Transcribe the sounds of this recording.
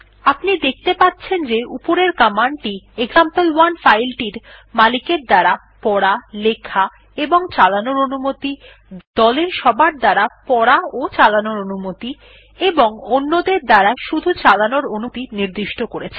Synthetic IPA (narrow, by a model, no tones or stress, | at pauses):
apnid̪ek̚ʰt̪epatːɕʰend͡ʑeupoɾeɾkamaɳɖʈieɡzampelwanfajlʈiɾmalikeɾd̪aɾa | pɔɽalekʰa | eboŋt͡ɕalanoɾonumot̪i | d̪̥ɔleɾʃɔbʱaɾd̪aɾapɔɾaot͡ɕalanoɾonumot̪i | eboŋonːod̪eɾd̪aɾaʃud̪ʱut͡ɕalanoɾonut̪iniɾd̪iʃʈʰokoɾet͡ɕʰe